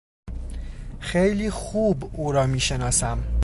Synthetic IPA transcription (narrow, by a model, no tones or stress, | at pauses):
xejliːxuːbuːɾɒːmiːʃe̞nɒːsæm